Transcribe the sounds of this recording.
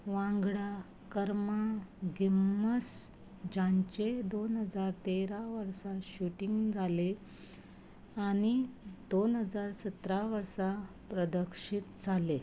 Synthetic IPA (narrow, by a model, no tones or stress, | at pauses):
ʋãŋɡɽa | kəɾmaɡimːəs | d͡ʑãɲt͡ɕed̪onɦəd͡zaɾt̪eɾaʋəɾsaɕuʈiŋɡd͡zʱale | añid̪̥onɦəd͡zaɾsət̪ɾaʋəɾsa | pɾəd̪əkʂiːt̪d͡zʱale